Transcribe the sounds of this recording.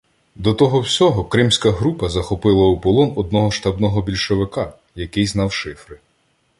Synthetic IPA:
d̪ɔt̪ɔɦɔwsʲɔɦɔkɾɪmsʲkɐɦɾupɐzɐxɔpɪlˠɐupɔlˠɔnɔd̪̚nɔɦɔʃt̪ɐbnɔɦɔbʲilʲʃɔʋɪkɑ | jɐkɪjznɑwʃɪfɾɪ

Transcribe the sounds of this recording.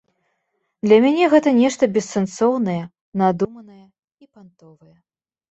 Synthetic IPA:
d̪lʲɐmʲanʲɛɣɛt̪ɐnʲɛʂt̪ɐbʲɛsːɛnsɔwnɐjɐ | nad̪umɐnɐjɐ | ipant̪ɔvɨjɐ

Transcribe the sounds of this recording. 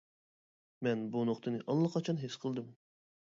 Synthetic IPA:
mɛnbunoχt̪ʰɨnɨʔɑlˠːəqʰɑt͡ʃʰɑnɦesqʰəlˠd̪ɨm

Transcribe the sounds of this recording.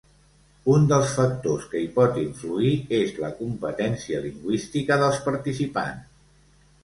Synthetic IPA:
und̪əlˠsfək̚t̪oskəipɔt̪iɱfluiezlə̰kumpət̪ɛnsiəliŋɡwist̪ikəðəlˠspəɾt̪isipa̰ns

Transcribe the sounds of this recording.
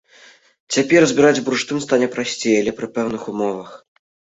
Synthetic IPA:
t͡sʲapʲɛrzʲbʲiɾad͡zʲbɾuʂt̪ɨmst̪anʲɛpɾasʲt͡sʲejɐlʲɛpɾɨpɛwn̪ɨxumɔvɐx

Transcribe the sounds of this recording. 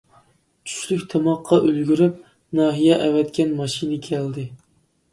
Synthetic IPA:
t͡ʃʰy̥ʃlykʲt̪ʰemɑqʰːɑʔølɡʲyɾyp̚ | nɑːɦijɛʔɛwɛt̪kʲɛnmɑʃinɪkʲʰæld̪ɪ

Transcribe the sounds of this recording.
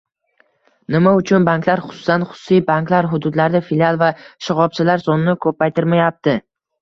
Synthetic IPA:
nɪmaʊt͡ʃʰʊnbaŋklaɾχʊ̥sʊ̥sanχʊ̥sʊ̥sijbaŋklaɾɦʊd̪ʊd̪laɾd̪afɪlialˠvaʃɪʁɒb̚t͡ʃʰɪlaɾsɒnnɪkʰɵpːajt̪ɪɾmajap̚t̪ɪ

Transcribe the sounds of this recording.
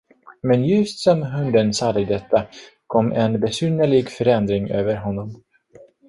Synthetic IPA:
mɛnjɵst̪sɔmɦɵnd̪ənsɑːd̪əd̪ɛt̪ːakʰɔmːʔɛnbɛsyːnəɭɪɡfœɾɛnd̪ɾɪŋø̰ːvəɾɦɔnːɔm

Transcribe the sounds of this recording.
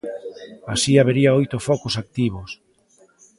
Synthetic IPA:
a̰siaβ̞eɾiaojt̪ofɔkʊsak̚t̪iβ̞os

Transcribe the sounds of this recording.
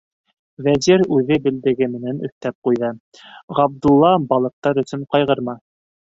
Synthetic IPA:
væziɾʉðɘbɘ̆ld̪ɘ̆ɡɘmɘ̆nænɵ̆θt̪æp̚qujðɤ | ʁɑb̚d̪ulˠːɑbɑlˠɤ̆q̚t̪ɑɾɵ̆sɵɴqɑjʁɤ̆ɾmɑ

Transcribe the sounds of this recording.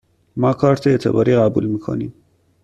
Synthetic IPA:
mɑːkʰɑːɾt̪ʰeet̪ʰḛbɑ̰ːɾiːɣæbṵlmiːkʰo̰niːm

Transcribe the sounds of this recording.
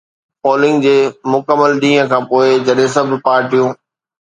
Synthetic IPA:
pɔːlɪ̃ŋɡd͡ʑeːmʊkəmːəlɗ̪ĩːɦə̃kʰãːpoːɪd͡ʑɐɗɦẽs̬ɐbʱɪpaːɾʈijũː

